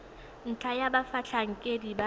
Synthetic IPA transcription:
n̩t͡ɬʰajabafat͡ɬʰaŋ̩kʼediba

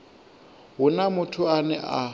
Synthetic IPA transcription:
ɦʊnamʊtʰʊanɛʔa

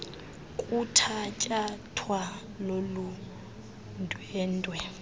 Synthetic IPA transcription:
kʼutʰat͡ʃʼatʰwa | lolu | ndʱʼwɛːndʼwɛ

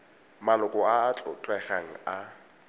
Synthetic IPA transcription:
malʊkʼɔaːt͡ɬʼʊ̰t͡ɬʼwɛχaŋ̩a

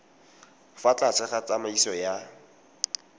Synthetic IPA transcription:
fat͡ɬat͡sʰɛχat͡samaisɔja

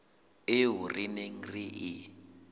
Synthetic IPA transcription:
ɪɦurineŋ̩riʔi

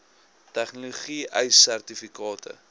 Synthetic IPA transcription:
tæχnoluχiʔəjsærtifikɑːtə̰

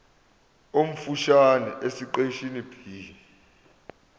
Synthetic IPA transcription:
om̩fuʃanɛʔesiǃeʃinipʰiːni

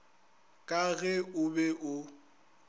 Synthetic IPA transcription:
kʼaɣɛʊbɛʔʊ

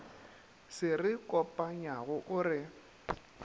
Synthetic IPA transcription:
sɪrɪkʼɔpʼaɲaɣʊʔʊrɪ

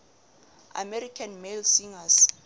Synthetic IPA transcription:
a̰mɛɾikʰanmelsiŋas

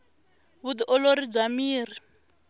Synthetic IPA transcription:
βud̪iʔɔloɾib͡ʐamiːri

